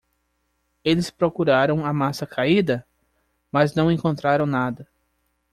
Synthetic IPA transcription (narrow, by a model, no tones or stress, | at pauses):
elɪspɾokuɾaɾɐ̃w̃ɐmasɐkʰaid̪ɐ | mɐznɐ̃w̃ẽkõnt̪ɾaɾɐ̃w̃nad̪ɐ